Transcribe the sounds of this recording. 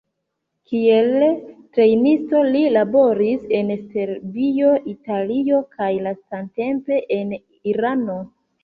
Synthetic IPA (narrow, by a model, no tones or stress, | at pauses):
kie̞ltɾe̞jnisto̞lilabo̞ɾise̞nse̞ɾvio̞ʔitalio̞kʰajlastante̞mpe̞ʔen | iɾano̞